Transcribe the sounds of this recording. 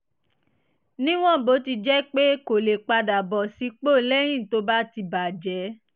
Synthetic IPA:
nĩ˦w̃ɔ̃˦˨bo˨˦ti˧d͡ʒɛ˦k͡pe˦ko˨le˨k͡pa˧da˨bɔ˨si˨˦k͡po˦˨˦lɛ˦j̃ĩ˦˨to˦ba˦ti˧ba˨d͡ʒɛ˨˦

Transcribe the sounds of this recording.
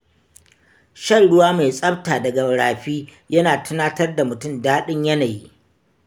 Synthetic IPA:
ʃɐ˦˨nɽʊ˦waː˦ma˨jsʼɐ˦b̚taː˨dɐ˨ɡɐ˨wɽaː˨ɸiː˦ | jɐ˦naː˨tʰʊ˦naː˦tɐ˦rda˨mʊ˨tʊ˦mdaː˦ɗɪ˦ɲjɐ˦naː˨ji˦

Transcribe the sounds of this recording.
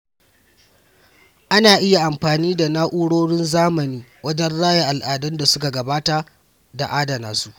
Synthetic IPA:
ʔa˦naː˨ʔɪ˦ja˨ʔa˨mɸaː˨niː˦da˨naː˦ʔʊ˦ɽoː˦ɽɪ˦nzaː˦mɐ˨niː˦wɐ˦d͡ʒɛ˦nɽaː˦ja˨ʔa˨lʔaː˨dɐ˦nda˨sʊ˦ka˨ɡɐ˨baː˦ta˨ | da̰˨ʔaː˦da˨naː˨su˦ʔ

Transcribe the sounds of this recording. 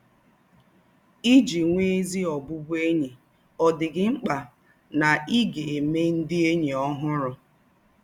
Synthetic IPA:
i˦d͡ʒi˨ŋʷe˦e˦zi˦ɔ˨bʊ˦bu˦e˦ɲe˨ | ɔ˨dɪ˨ɡɪ˦ŋ͡m̩˦k͡pa˨ | na˨i˦ɡe˨e˨me˦n̩˦dɪ˦e˦ɲe˨ɔ˦ɦʊ˦ɾʊ˨

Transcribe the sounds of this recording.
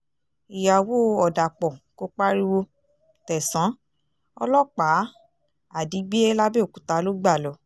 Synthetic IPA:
i˨ja˨wo˦ɔ˨da˨k͡pɔ˨ko˦k͡pa˦ɾi˦wo˧ | tɛ˨sã˨˦ | ɔ̰˧lɔ˦k͡pa˨˦ | a˨di˨˦ɡ͡be˦e˦la˦be˦o˨kũ˨˦ta˧˦lo˦ɡ͡ba˦˨lɔ˨˦

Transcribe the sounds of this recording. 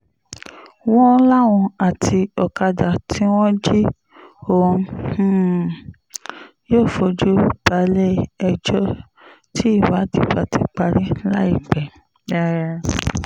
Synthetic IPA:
w̃ɔ̃˦la˦˨wɔ̃˧a˨tʰi˧ɔ˨ka˧da˨tʰĩ˦w̃ɔ̃˦d͡ʒi˦ | õ˦˨˦ | joː˦˨fo˧d͡ʒu˦˨ba˨˧˦lɛ˦ɛ˧d͡ʒɔ˦ | tʰi˦i˦˨wa˨˦di˨ba˨ti˧k͡pa˧ɾi˦la˦i˦˨ɡ͡bɛ˨ | ɛ˧ɾɛ˧

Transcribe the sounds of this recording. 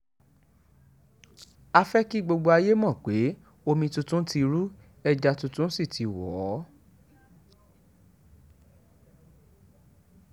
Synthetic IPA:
a˧fɛ˦ki˦ɡ͡bo˧ɡ͡bo˧a˧je˦mɔ̃˦˨k͡pe˨˦ | o˧mĩ˧tũ˧tũ˦ti˧ɾu˦ | ɛ˧d͡ʒa˧tũ˧tũ˦n̩˦si˦˨tʰi˨˧wɔ˨˦

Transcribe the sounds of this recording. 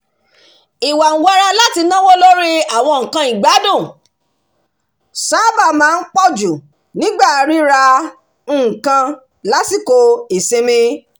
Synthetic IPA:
i˨wa˨n̩˨wa˧ɾa˧la˦ti˧nã˦wo˦lo˦ɾi˦a˦˨w̃ɔ̃˧ŋ̩˨kã˧˦i˨ɡ͡ba˨˦dõ˦˨ | sa˨˦ba˦˨mãː˨˦˧n̩˦k͡pɔ˦˨d͡ʒu˨ | nĩ˨˦ɡ͡ba˦˨˧ɾi˦ɾa˧ | n̩˦˨kã˧ | la˦si˦˨ko˧i˨se˧mĩ˧

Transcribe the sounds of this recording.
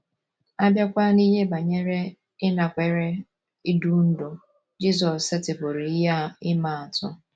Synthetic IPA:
a˦bja˦kʷa˦ni˦ɦe˦ba˨ɲe˦ɾe˦ | ɪ˦na˨kʷe˨ɾe˦ | i˦du˦n̩˦do˨ | d͡ʒi˦z̬ɔ˨se˦tɪ˨bʊ˨ɾi˨i˦ɦa˦ɪ˦ma˨a˨tʊ˦

